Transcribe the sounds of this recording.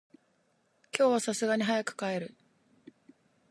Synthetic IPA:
kʲo̞ːβasasɨɡaɲ̟iɦajakɯ̥kae̞ɾɯ̟

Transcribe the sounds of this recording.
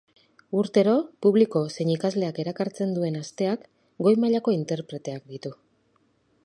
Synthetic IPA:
uɾt̪e̞ɾo̞puβliko̞se̞ɲikazle̞ake̞ɾakaɾt͡se̞nd̪ue̞nast̪e̞ak | ɡo̞jmaʎako̞int̪e̞ɾpɾe̞t̪e̞ak̚d̪it̪u

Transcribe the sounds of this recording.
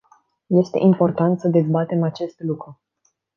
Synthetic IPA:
je̞st̪e̞̰ʔimpo̞rt̪ant̪səd̪e̞zbat̪e̞mat͡ʃe̞st̪lukɾu

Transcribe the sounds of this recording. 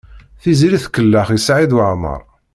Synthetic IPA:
θiziɾiθkəlːaχisʕid̪wəʕmə̰ɾˤ

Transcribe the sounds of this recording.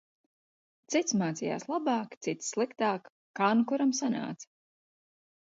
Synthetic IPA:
t̪sit̪smaːt̪sija̰ːslˠabaːkt̪sit̪ssːlˠikt̪aːk | kːankuɾamsana̰ːt̪sḁ

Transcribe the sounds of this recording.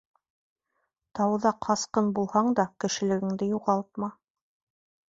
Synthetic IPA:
t̪ɑwðɑqʰɑsqɤnbulˠhɑɴd̪ɑkɘ̆ʃɘ̆lɘ̆ɡɘ̆ŋd̪ɘjuʁɑlˠt̪̚mɑ

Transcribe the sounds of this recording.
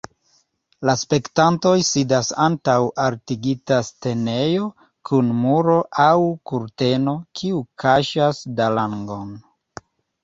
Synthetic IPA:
laspe̞ktanto̞jsidasantawʔaɾtiɡitaste̞ne̞jo̞ | kʰunmuɾo̞ʔawkuɾte̞no̞kʰiukʰaʃasdalaŋɡo̞n

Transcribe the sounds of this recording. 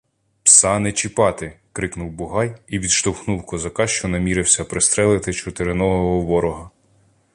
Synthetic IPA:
psɑnet͡ʃipɑt̪ɪkɾɪknuwbʊɦɑjiʋʲid̪ʃt̪ɔwxnuwkɔzɐkɑʃt͡ʃɔnɐmʲiɾɪwsʲɐpɾɪst̪ɾɛlˠɪt̪ɪt͡ʃʊt̪eɾɪnɔɦɔɦɔʋɔɾɔɦɐ

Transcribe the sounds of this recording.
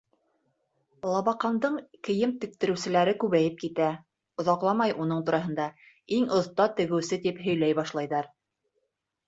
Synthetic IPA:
lˠɑβɑqɑnd̪ɤɴkɘ̆jɘmt̪ɘ̆k̚t̪ɘ̆ɾɘ̆wsɘ̆læɾɘkʉβæjɘp̚kit̪æ | ŏðɑqlˠɑmɑjʔunɤɴt̪uɾɑɦɤ̆nd̪ɑ | iŋŏθt̪ɑt̪ɘ̆ɣɘ̆wsɘt̪ipɦɵ̆jlæjbɑʃlˠɑjðɑɾ

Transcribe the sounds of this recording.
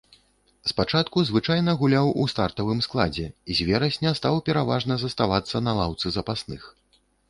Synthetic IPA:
spat͡ʂat̪kuzvɨt͡ʂajnɐɣulʲawust̪art̪ɐvɨmsklˠad͡zʲɛizʲvʲɛɾɐsʲnʲɐst̪awpʲɛɾavaʐnɐzɐst̪avat̪sːɐnɐlˠawt̪sɨzɐpasnɨx

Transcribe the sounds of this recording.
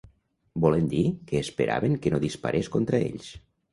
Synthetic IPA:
bɔlend̪ikəːspəɾʔa̰βeŋkənoðispa̰ɾʔeskont̪ɾəḛʎs

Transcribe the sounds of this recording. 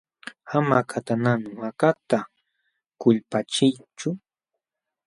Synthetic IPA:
amakʰat̪ananɪmakat̪a | kʊʎpat͡ʃɪjt͡ʃʊ

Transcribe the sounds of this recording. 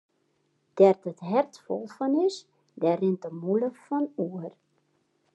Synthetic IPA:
d̥ɛrtətɦɛrtfɔ̰lˠfɔnɪs | dɛrɪntəmuləfɔnuər

